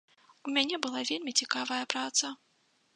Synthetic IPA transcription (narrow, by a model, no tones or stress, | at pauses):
umʲanʲɛbɨlˠavʲelʲmʲit͡sʲikavɐjɐpɾat̪sɐ